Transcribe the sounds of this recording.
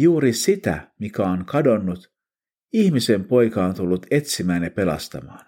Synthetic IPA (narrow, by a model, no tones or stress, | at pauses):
juːɾisit̪æ̰mikæoŋkɑdo̞nːut̪ | içmise̞mpo̞jkɑont̪ulːut̪e̞t̪simæːnjɑpe̞lɑ̰st̪ɑ̰mɑ̰ːn